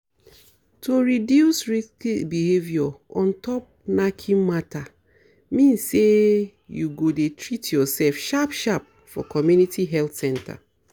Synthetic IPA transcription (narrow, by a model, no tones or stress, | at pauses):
tʰoɹidjusɹiskibihevjɔɔ̃ntʰɔp̚nakʰĩmata | mĩnsːe | juɡodetʰɹitjɔsɛlfʃapʃap̚ | fɔ̰kɔmjunitʰiɦɛltsɛ̃ntʰa̰